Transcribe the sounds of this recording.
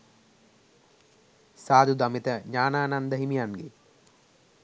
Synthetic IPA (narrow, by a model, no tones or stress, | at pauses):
saːd̪ud̪ɐmit̪əɲaːnaːnand̪əɦimijanɡe